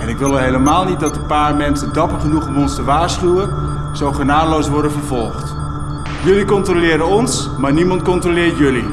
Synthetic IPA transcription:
ɛnɪkʋɪlˠəɦejləmaːlˠnit̚dɑtəpaːrmɛnsəndɑpəχənuχɔmɔnstəʋaːɹsχywə | z̥owχənaːdəlowsʋɔɹdənvərvɔlˠχt | jɵlikɔntrolɪːɾənɔns | maːɹnimɑntkɔntrolɪːrjɵli

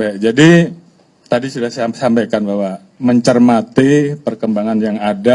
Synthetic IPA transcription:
bɛʔd͡ʒadi | t̪adisudahssampajkanbaɦwa | məɲt͡ʃərmat̪ipərkəmbaŋanjaŋada

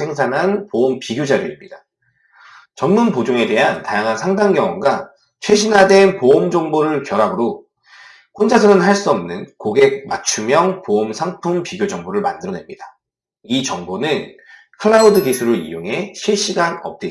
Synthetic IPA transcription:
e̞ŋs̬ʰanɦanpoompiɡjod͡ʑaɾɯimɲida | t͡ɕʌnmunpod͡ʑoŋe̞de̞ɦantajaŋɦansʰaŋdaŋɡjʌŋwʌnɡa | t͡ɕʰwe̞ɕʰinɦade̞npoomd͡ʑʌŋboɾɯɭkjʌɾabɯɾo | kond͡ʑasʰɯnɯnɦaɭs͈uʌmnɯnkoɡe̞k̚mat͡ɕʰumjʌŋpoomsʰaŋpʰumpiɡjod͡ʑʌŋboɾɯɭma̰ndɯɾʌne̞mɲida | it͡ɕʌŋbonɯn | kʰɯɭːaudɯɡisʰuɾɯḭjoŋɦe̞ɕʰiɭɕ͈iɡanʌ̰p̚t͈e

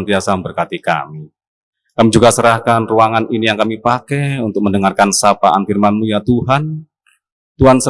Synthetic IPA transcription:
nt̪iasabərkat̪ika̰mi | kamid͡ʒuɡasəɾahkanruaŋaninijaŋkamipakɛunt̪ʊk̚məndəŋarkansapaʔanfirmanmujat̪uɦan | t̪uɦansə

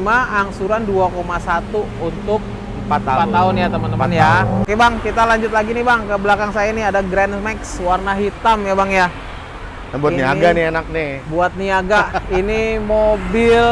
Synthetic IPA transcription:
maːŋsuɾanduakomasat̪u | unt̪ʊk̚ | əmpat̪ːaaʊnjat̪əmənnjakɛbaŋkit̪alaɲd͡ʒʊt̪laɡinibaŋkəbəlakaŋsajainiadaɡɾɛnmɛkswarnaɦit̪amjabaŋja | buaniaɡanienak̚nibuat̪̚niaɡainimobɪl

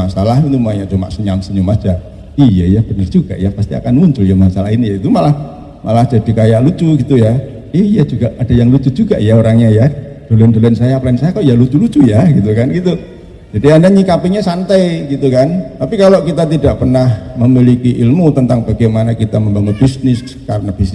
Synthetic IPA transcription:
asalaɦit̪umaɲaʔd͡ʒəma̰ʔsəɲamsəɲumḁd͡ʒa | ijajab̥ənərd͡ʒuɡ̥a̰ʔjapast̪ia̰kanmuɲt͡ʃʊljamasalaɦinijait̪umalah | malahd͡ʒ̥adikajaʔlut͡ʃuɡit̪uja | ihjad͡ʒuɡaʔad̥ajaŋlut͡ʃud͡ʒuɡaʔjaoɾaŋɲajad̥olɛndolansajaplansajakalojalut͡ʃulut͡ʃujaɡit̪̬ukanɡit̪u | d͡ʒadiandaɲikapiɲasant̪ajɡit̪ukant̪apikalokit̪at̪idaʔpərnahməmilikiʔilmut̪ənt̪aŋb̥aɡejmanakit̪aməmbaŋən̚b̥isnɪs | kaɾənab̥is

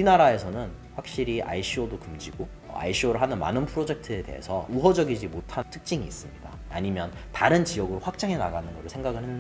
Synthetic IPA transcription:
inaɾae̞sʰʌnɯn | ɸwak̚ɕ͈iɾiʔa̰iɕʰiodokɯmd͡ʑiɡo | a̰iɕʰioɾɯɭɦanɯnma̰nɯnpʰɯɾod͡ʑe̞k̚tʰɯe̞de̞̰ɦḛsʰʌ̰uɦʌd͡ʑʌɡid͡ʑimotʰatʰɯ̥k̚t͡ɕ͈iŋiːs͈ɯmɲida̰ːɲimjʌn | taɾɯnt͡ɕijʌɡɯɾoɸwak̚t͡ɕ͈aŋe̞na̰ɡanɯnɡʌsʰe̞ŋɡaɡɯɭhe

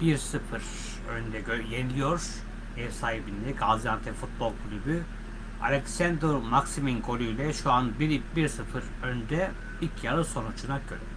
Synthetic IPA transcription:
b̥iɾsɯfɯɾ | ø̰nd̪ɛøjenilʲijo̞ɾ̥ | ɛvsaːhibind̪ɛɡazjant̪ʰɛfut̪̚bo̞lˠkʰlʲyby | a̰lʲeksænd̪ɾomaksiminɡʰo̞lʲˠujlʲɛʃuanbibiɾsɯfɯɾ | ønd̪ɛ | ilcʰjalˠɯso̞nut͡ʃʰunaɡøɾɛ

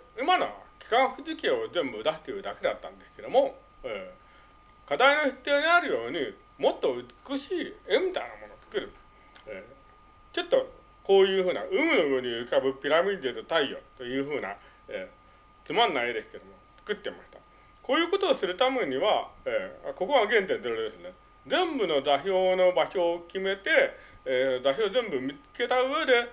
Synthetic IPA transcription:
ɯ̟mano̰kʲi̥kãɰ̃ɸɯ̟zɨkʲio̞zẽ̞mbɯɯd̪aɕi̥t̪ːeiɾɯd̪ake̞d̪at̪ːã̰nd̪e̞sɨ̥ke̞d̪o̞mo̞ | e | kad̪aino̞ɕɨ̥t̪ːjoːɲ̟iaɾɯ̟jo̞ːɲ̟i | mo̞t̪ːoɯ̟t͡skɯɕiːẽmit̪a̰inamo̞no̞t͡sɨ̥kɯ̟ɾɯ̟ | e | t͡ɕo̞t̪ːo̞ | ko̞ːjɯ̟ːɸɯ̟ːna̰ɯ̟mɯ̟nobɯ̟ɲ̟iɯ̟kabɯ̟pʲiɾamʲid̪et̪ot̪aijo̞̰t̪o̞jɯ̟ːɸɯ̟ːna̰ | eː | t͡sɨmãnːaid̪e̞sɨ̥ke̞d̪o̞mo̞t͡sɨ̥kɯ̟t̪ːe̞maɕi̥t̪a | ko̞ːjɯ̟ːko̞t̪o̞ːsɨɾɯ̟t̪ame̞ɲ̟iβaeːko̞ko̞βaɡẽ̞nt̪end̪eɾoɾed̪esɨne | d͡zẽ̞mbɯ̟no̞daçʲo̞ːno̞baɕo̞ːkʲime̞t̪e̞ | daçoːzẽ̞mbɯ̟mʲit͡sɨ̥ke̞t̪aɯ̟e̞d̪e̞

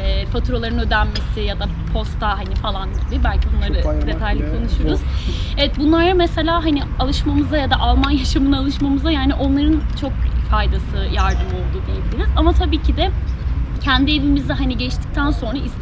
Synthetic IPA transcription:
ɛːpʰat̪ɾo̞lˠaɾɯnø̞d̪ænme̞sɪjad̪a | pʰo̞st̪ːaɦanifalˠanɟibɪbælʲcʰibunlˠaɾɯd̪e̞t̪ʰajlʲikʰo̞nuʃujoɾuz̥evɛt̪̚bunlˠaɾamese̞lʲaːɦaniɪalˠɯʃmamɯzd̪ajad̪aʔalˠmanjaʃamɯnalˠɯʃmamɯzajaːniʔo̞nlˠaɾɯnt͡ʃʰo̞k̚fajd̪asɯjaɾd̪ɯmo̞lˠd̪ud̪ijebilʲiɾizamat̪ʰabiːcʰid̪ɛ | cʰɛnd̪ie̞vimizd̪ɛɦaniɟɛt͡ʃt̪ʰi̥c̚t̪ʰænso̞nɾais

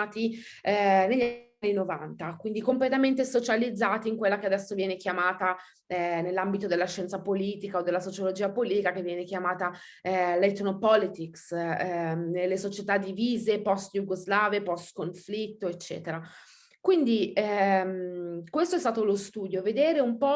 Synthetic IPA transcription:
t̪i | ɛneʎːanːinova̰nt̪akwind̪ikomplet̪ament̪esot͡ʃalid̪zːaːt̪iːŋkwelːakead̪ɛsːovjɛːnekjamaːt̪a | ɛnelːambit̪od̪elːaʃːɛnt̪sapoliːt̪ikaod̪ːelːasot͡ʃolod͡ʒiːapoliːt̪ikakevːjɛːnekjamaːt̪a | let̪nopɔlit̪iks | nelːesot͡ʃet̪ad̪ːiviːzepɔst̪juɡozlaːvepɔst̪koɱflit̪ːoet͡ʃːɛ̰ːt̪eɾa | kwind̪imkwest̪oɛst̪aːt̪olost̪uːd̪joved̪eːɾeumpɔ

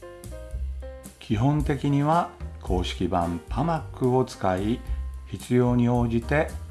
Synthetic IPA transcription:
kʲʰiɦõ̞nt̪e̞kʲiɲ̟iβakʰo̞ːɕi̥kʲibã̰mpʰamakːɯ̟o̞t͡sɨ̥kaiçit͡sɨjo̞ːɲ̟io̞ːʑit̪e̞

